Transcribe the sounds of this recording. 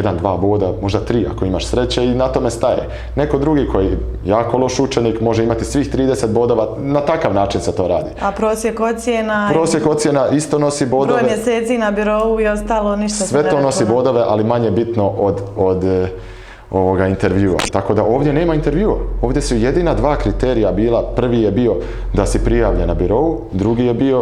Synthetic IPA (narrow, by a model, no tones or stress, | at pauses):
jed̪and̪ʋaːbo̞ːd̪amo̞ʒd̪at̪ɾiːa̰ko̞imaʃsɾe̞t͡ɕeinat̪o̞me̞st̪ajḛ | ne̞ko̞d̪ɾuɡikʰo̞ji | jaːko̞lˠo̞ʃut͡ʃeniːkmo̞ʒeimat̪isʋiːxt̪ɾiːd̪eset̪̚bo̞d̪o̞ʋa | nat̪akaʋnaːt͡ʃinset̪o̞ːɾaːd̪iapɾoːsjekot̪sjenapɾoːsje̞kot̪sje̞naʔist̪o̞no̞siboddɾojeemjeseːt̪sinabyɾoːuio̞st̪aːlˠoniʃt̪asʋe̞t̪o̞ːno̞sibo̞ːd̪o̞ʋe̞ʔalimaɲe̞bit̪no̞ʔod̪od̪ | oʋoɡaint̪e̞ɾʋjuːa̰t̪ako̞d̪aʔo̞ːʋd̪jene̞ːmaint̪e̞ɾʋjuːa̰o̞ːʋd̪jesuje̞d̪iːnad̪ʋaːkɾit̪eːɾijabiːlˠapr̩ʋije̞bio̞ | d̪asepɾijaːʋʎanabyɾo̞u | d̪ɾuɡijebio̞